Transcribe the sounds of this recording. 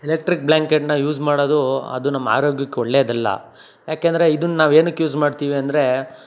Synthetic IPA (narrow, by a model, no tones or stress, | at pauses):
ilek̚ʈɾik̚blaːŋkeʈnɐjuːsmaːɽoːd̪uɐ̰d̪unɐmːɐa̰ːɾo̞ːɡjɐkːeɔɭːeːɐd̪ɐlːɐ̰ | jaːkeːnd̪ɐɾeid̪unːnaːʋeːnukjuːsmaːɖt̪iːʋiɐnd̪ɐɾe̞